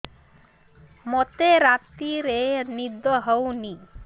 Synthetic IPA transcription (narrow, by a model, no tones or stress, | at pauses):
mot̪eɾat̪iɾenid̪ɔɦɔwni